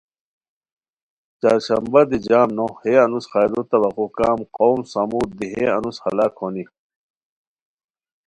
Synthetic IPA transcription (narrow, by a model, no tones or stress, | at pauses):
t͡ɕaːɾɕɐmbɐd̪id͡ʑaːmnoheɐnusxaːd̪ut̪ɐbɐqukaːmqoːmsɐmud̪iɦeɐ̰nushɐlaːkʰoni